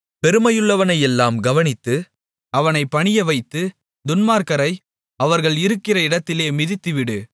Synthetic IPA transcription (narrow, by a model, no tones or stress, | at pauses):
pɛɾɯmɐjɯɭːɐʋɐnɐjɛlːaːmɡɐʋɐnɪt̪ːɯ | ɐʋɐnɐɪpːɐɳɪjɐʋɐɪt̪ːɯ | d̪ʊnmaːɾkɐɾɐɪ | ɐʋɐɾɣɐɭɪɾɯkːɪrɐɪɽɐt̪ːɪleːmɪðɪt̪ːɯʋɪɽɯ